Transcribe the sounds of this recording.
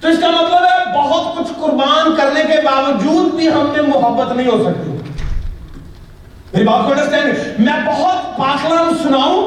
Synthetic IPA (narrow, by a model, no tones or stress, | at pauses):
t̪oɪskamɐt̪ləbɦɛbɐɦʊt̪̚kʊt͡ʃʰkʊɾbaːnkɐɾnekebaːʋəd͡ʒuːd̪̚bʱiɦɐmnemʊɦəbːət̪nɐɦĩɦosɐk̚t̪ḭ | meːɾibaːp̚koɐ̃ɳɖəɾsɛ̃ːnmɛ̃bɐɦʊt̪paːklənsʊnaːũ